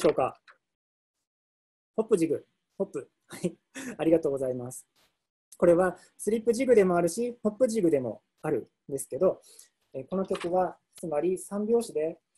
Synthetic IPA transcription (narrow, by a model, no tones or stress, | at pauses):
o̞ːka̰ | ho̞pːɯ̟ʑiɡɯ̟ | ho̞pːɯ̟ | hai | aɾʲiɡat̪o̞ːɡ̞zaimasɨ̥ | ko̞ɾe̞βa | sɨɾʲipːɯ̟ʑiɡɯ̟d̪e̞mo̞aɾɯ̟ɕiho̞pːɯʑiɡɯ̟d̪e̞mo̞̰ | aɾɯ̟ | nd̪e̞sɨ̥ke̞d̪o̞ | eko̞no̞kʲo̞kɯ̟βa | t͡sɨmaɾʲisãmbʲjo̞ːɕid̪e̞